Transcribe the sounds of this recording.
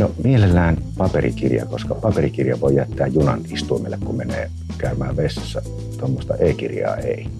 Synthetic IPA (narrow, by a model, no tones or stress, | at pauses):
nomielelːæːnpɑperḭkirjɑ̰koskɑpɑperikirjɑʋoˑijæt̪ːæːjjunɑnist̪uimelːekkummenḛː | kæˑymæːʋʋesːɑsːæ | t̪uomːost̪ɑeːkirjɑ̰ːeˑi